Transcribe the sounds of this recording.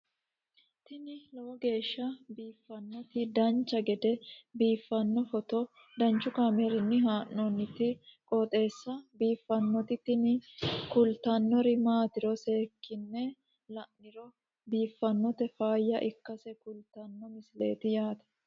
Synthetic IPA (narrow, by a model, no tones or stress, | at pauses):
t̪ɪnɪlɐwɔɡe̞ːʃːɐbiːfːɐnːɔt̪ɪd̪ɐnt͡ʃːɐɡɛd̪ɛbiːfːɐnːɔfɔt̪ɔ | d̪ɐnt͡ʃːʊkaːmɛɾɪnːɪɦaːʔːɔnːɪt̪ɪkʼɔt̪ʼe̞ːsːɐbiːfːɐnːɔt̪ɪt̪ɪnɪkʊlt̪ɐnːɔɾɪmaːt̪ɪɾɔse̞ːkːɪnːɛ | lɐʔɪɾɔ | biːfːɐnːɔt̪ɛfaːjːɐʔɪkːɐsɛkʊlt̪ɐnːɔmɪsɪle̞̰ːt̪ɪjaːt̪ɐ̥